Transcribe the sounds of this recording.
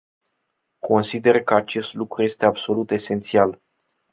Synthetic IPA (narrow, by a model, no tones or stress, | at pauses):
kʰo̞nsid̪e̞rkəat͡ʃe̞st̪lukɾuje̞st̪e̞abso̞lut̪e̞se̞nt̪sial